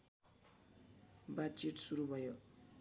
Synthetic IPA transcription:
bat͡ʃiʈsuɾubʱʌjo

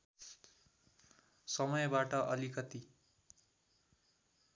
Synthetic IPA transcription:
sʌmʌjbaʈʌʔʌlikʌt̪i

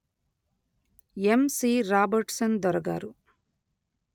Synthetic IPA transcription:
emsiːɾaːbɐɾʈsɐnd̪ɔɾɐɡa̰ːɾu

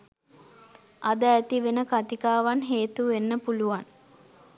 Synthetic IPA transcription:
ʔad̪əæt̪iʋenəkat̪ikaːʋanɦeːt̪uʋenːəpuluʋan

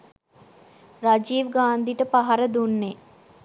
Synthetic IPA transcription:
rad͡ʒiːʋɡaːnd̪iʈəpaɦaɾəd̪unːe

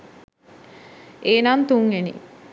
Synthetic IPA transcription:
ʔeːnaːnt̪uŋenḭ

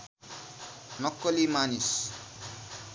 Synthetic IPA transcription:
nʌkːʌlimanis

